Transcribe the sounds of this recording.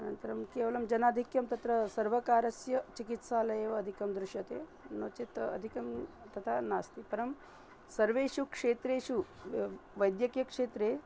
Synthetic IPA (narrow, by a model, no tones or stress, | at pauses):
ɐnɐ̰nt̪ɐɾɐmkeːʋɐlɐmd͡ʒɐnaːd̪ʱikjɐmt̪ɐt̪ɾɐsɐɾʋɐkaːɾɐsjɐt͡ʃikit̪saːlɐjeːʋɐːd̪ʱikɐmd̪ɾuʃjɐt̪eːnɐt͡ʃet̪ɐ̰d̪ʱikɐm | t̪ɐt̪ʰanaːst̪ipɐɾɐm | sɐɾʋeːʃukʂeːt̪ɾeːʃu | ʋɐjd̪jɐkjɐkʂeːt̪ɾeː